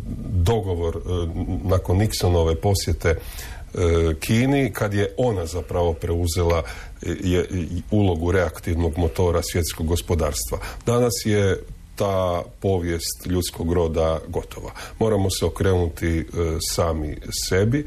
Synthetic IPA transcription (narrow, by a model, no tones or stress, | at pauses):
d̪o̞ɡo̞ʋo̞ɾnako̞nːiksono̞ʋe̞po̞sje̞t̪e̞ | kʰiːnikʰad̪je̞ʔo̞nazapɾaʋo̞pɾeuze̞la | julˠo̞ɡuɾe̞akt̪iʋno̞ɡmo̞t̪o̞ːɾasʋje̞t̪sko̞ɡːospo̞d̪aːɾst̪ʋa̰d̪anasjet̪aːpo̞ʋje̞st̪ʎut̪sko̞ɡɾo̞ːd̪aɡo̞t̪ʰo̞ʋa̰mo̞ːɾamo̞seo̞kɾeːnut̪isaːmḭse̞bi